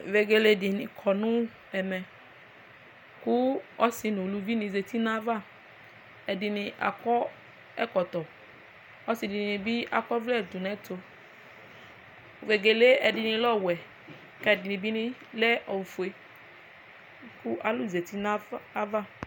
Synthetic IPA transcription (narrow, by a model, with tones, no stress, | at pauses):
ve˨ɡe˨le˦dɪ˨nɪ̃˨kʰɔ˨nʊ̃˦ | ɛ˨mɛ̃˨ | kʊ˦ɔ˦sɪ˨nʊ̃˨lu˨˦vi˦nĩ˨ze˨t̪i˦nã˦va˦˨ | ɛ˨dɪ˨nɪ̃˨ʔa̰˨kɔ˦ | ɛ̰˦kɔ˨t̪ɔ˨ | ɔ˦si˨dɪ˨nɪ˨nɪ̃˨bi˦ʔa̰˨kɔ˦vlɛ˦˨d̪u˨nɛ̃˦tʰo˨ | ve˨ɡe˨le˦ɛ˨dɪ˨nɪ̃˨lɔ˦wɛ˨ | kɛ˦˨dɪ˨nɪ̃˨bi˦nɪ̃˦lɛ˦ʔɔ˨fu˨e˨ | kʊ˦ʔa˨lʊ˦˨ze˨t̪i˦nã˦a˦va˦˨